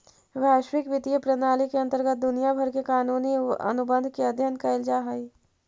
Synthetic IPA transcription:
ʋaːʃwɪkʋɪt̪iəpɾɐnaːlikeɐ̃nt̪əɾɡət̪̚d̪ʊnijabʱɐɾkekaːnuːniɐ̰nʊbə̃nd̪ʱkeɐd̪ʱjənkɐɪld͡ʒaːɦɐi

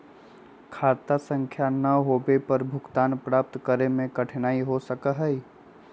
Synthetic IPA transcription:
kʰaːt̪asə̃ŋkʰjanɐɦoːbepəɾbʱʊkt̪aːnpɾaːp̚t̪kəɾemẽkəʈʰnaːiɦosəkəɦɛi

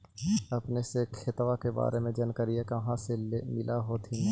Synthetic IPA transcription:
ɐpnesekʰɪt̪ʋakeba̰ːɾemẽd͡ʒɐnkəɾijekɐɦãsemɪlaɦot̪ʰin

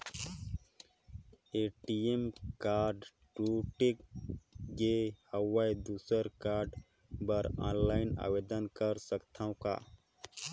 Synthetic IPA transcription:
eʈiemkaːɾɖ | ʈuʈek | ɡehəwajd̪usəɾkaːɾɖ | bəɾã̰nlaɪna̰ːʋed̪ənkəɾsəkt̪ʰaũka̰

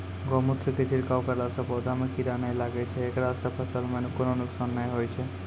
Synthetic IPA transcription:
ɡɔmut̪ʰɾket͡ʃʰiɾkawkəɾlasə̃bod̪ʱamekiɾanəjlaɡɛt͡ʃʰɛːkɾasə̃pʰəsəlmenkononuksanːəjɦojt͡ʃʰɛ

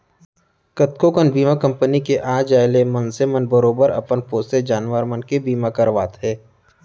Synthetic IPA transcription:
kət̪kokənbiːmakɐ̃mpənikeʔãːd͡ʒaːɪlemənsemənbəɾoːbəɾɐ̰pənpoːsted͡ʒaːnʋəɾmənkebiːmãkɐɾʋaːt̪ɦɛː

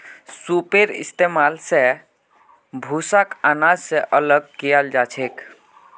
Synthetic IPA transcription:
supeɾḭst̪emalsẽ | bʱusakanad͡ʒsẽʔələɡ̚kijəld͡ʒat͡ʃʰek

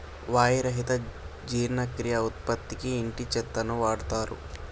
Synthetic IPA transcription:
ʋaːjiɾɐɦit̪ɐ | d͡ʒiːɾnɐkɾijɐut̪̚pɐt̪ːikiːɳʈit͡ʃɛt̪ːɐnuʋaːɽut̪aːɾṵ

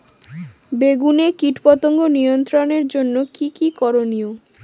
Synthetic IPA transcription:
beɡunekiʈpɔt̪oŋɡonijont̪ɾoneɾd͡ʑonːokikikɔɾonio

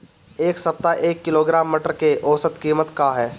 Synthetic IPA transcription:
eːksɐp̚t̪aʔeːkːɪloːɡɾaːmːəʈəɾkeʔɔːsət̪kiːmət̪kaɦɛː

